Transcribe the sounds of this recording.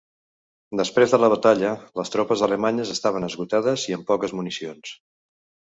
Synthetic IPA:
d̪əspɾezðələβət̪aʎələst̪ɾɔpəzðələmaɲəzəst̪aβ̞ənəzɣut̪að̞əziəmpɔkəzmunisions

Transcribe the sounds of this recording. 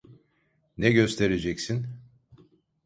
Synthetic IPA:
nɛɟø̞st̪ʰe̞ɾed͡ʒɛcsin

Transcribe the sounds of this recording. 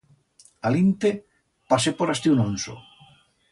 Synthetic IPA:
alint̪e | pasepoɾast̪iunonso̰

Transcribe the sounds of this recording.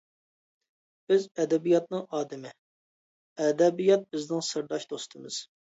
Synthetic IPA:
b̥ɪzɛd̪ɛbijɑt̪̚nɨŋɑːd̪ɪmɪ | ɛd̪ɛbijɑt̪̚bɪznɪŋsɨɾd̪ɑʃd̪ost̪ʰɨmɨz̥

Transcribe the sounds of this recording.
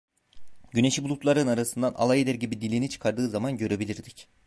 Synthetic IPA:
ɟyne̞ʃibulˠut̪lˠaɾɯnaɾasɯnd̪ana̰lˠajed̪æɾɟibid̪ilʲinit͡ʃʰɯ̥kʰaɾd̪ɯːzamanɟø̞ɾebilʲiɾd̪ic

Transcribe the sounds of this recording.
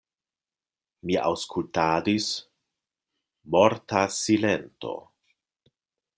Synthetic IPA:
mia̰wskultaːdis | moɾtasilento̞̰

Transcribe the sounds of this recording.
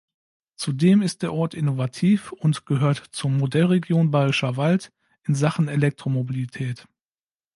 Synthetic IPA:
t͡sudeːmɪst̚d̥eːɐʔɔɐtɪnovatʰiːfʊntɡ̥əɦøːɐtt͡sʊmodɛlʁeɡjoːnbaːʁɪʃɐvalt | ʔɪnzaχn̩elɛk̚tʁ̥omobilitʰɛːt

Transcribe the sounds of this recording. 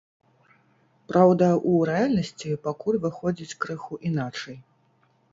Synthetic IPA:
pɾʔawd̪ɐʔuɾɛalʲnɐsʲt͡sʲipakulʲvɨxɔd͡zʲit͡sʲkɾɨxuʔinat͡ʂɐj

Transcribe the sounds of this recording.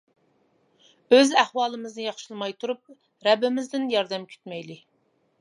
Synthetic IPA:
øzæhwɑːlˠɨmɨznɨjɑχʃɨlˠmɑjt̪ʰuɾup̚ | ɾɛbːɪmɪzd̪ɪnjɑɾd̪ɛmkʲʰy̥t̪mɛjlɪ

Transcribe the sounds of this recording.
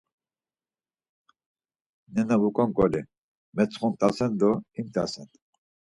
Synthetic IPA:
nɛnaβukʼɔŋkʼɔli | mɛt͡sʰχɔnt̪ʼasɛnd̪ɔimt̪ʼasɛn

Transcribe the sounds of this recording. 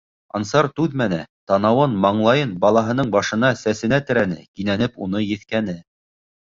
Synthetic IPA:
ɑ̰nsɑɾt̪ʉðmænæt̪ɑnɑwɤnmɑɴlˠɑjɤnbɑlˠɑɦɤ̆nɤɴbɑʃɤ̆nɑsæsɘ̆næt̪ɘ̆ɾænɘ̰kinænɘpunɤjɘ̆θkænɘ

